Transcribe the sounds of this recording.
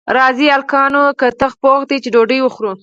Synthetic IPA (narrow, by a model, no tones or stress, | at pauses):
ɾɑzialkɑnokət̪əxpoxd̪it͡ʃeɖoɖəjwəxɾu